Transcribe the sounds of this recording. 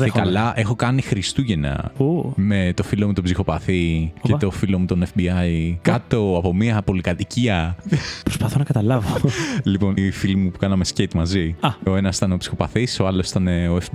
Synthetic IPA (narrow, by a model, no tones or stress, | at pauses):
ekkɐlɐʔexo̞kɐnixɾist̪uʝe̞nɐ̰ume̞t̪o̞filo̞mut̪opsixo̞pɐθiet̪o̞filo̞mut̪o̞nefbiɐjkɐt̪o̞ɐpo̞miɐpo̞likɐt̪iciɐpɾospɐθonɐkɐt̪ɐlɐvolipo̞nifilimupu̥kɐnɐmescet̪mɐziɐo̞e̞nɐsi̥t̪ɐneopsixo̞pɐθiso̞ɐlosi̥t̪ɐne̞oef